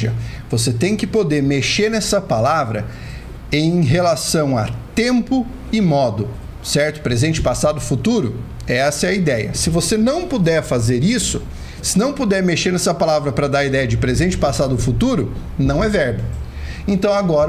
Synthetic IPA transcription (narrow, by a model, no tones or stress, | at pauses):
ɐ | voset̪ẽj̃kɪpod̪eɾmeʃeɾnɛsɐpalavɾɐ̰ | ẽj̃ɦelasɐ̃w̃ɐt̪ẽmpʊ | ɪmɔd̪ʊ | sɛɾt̪ʊ̥pɾezẽnt͡ʃɪ̥pasad̪ʊfut̪uɾʊ | ɛɛsɐɛɐid̪ɛjɐ̰sɪvosenɐ̃w̃pod̪ɛɾfazeɾisʊ | sɪnɐ̃w̃pod̪ɛɾmeʃeɾnɛsɐpalavɾɐpɾɐd̪aɾid̪ɛjɐd͡ʒɪpɾezẽnt͡ʃɪ̥pasad̪ʊfut̪uɾʊ | nɐ̃w̃ɛvɛɾbɐ | ẽnt̪ɐ̃w̃aɡɔɾ